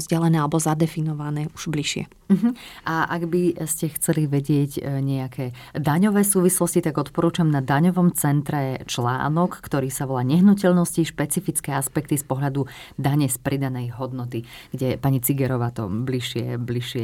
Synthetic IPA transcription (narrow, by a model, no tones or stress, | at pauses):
zɟɛlɛnɛːalɛbɔzad̪ɛfinɔʋanɛːu̥ʒ̥bliʃɪɛ̰ | m̩ɦ̩ʔaʔaɡbiscɛxt͡sɛliʋɛɟɪɛɟɲɛakʰɛːd̪aɲɔʋɛːsuːʋislɔscit̪aɡɔt̪pɔɾuːt͡ʃamnad̪aɲɔʋɔmt͡sɛnt̪ɾɛt͡ʃla̰ːnɔkːt̪ɔɾiːsaʋɔlaːɲɛɦnucɛʎnɔsciʃpɛt͡sifit͡skɛːaspɛk̚t̪ispɔɦlad̪ud̪aɲɛspɾid̪anɛjɦɔd̪nɔt̪iɡ̥ɟɛpaɲit͡siɡɛɾɔʋaːt̪ɔ̰bliʃɪɛ̰bliʃɪɛ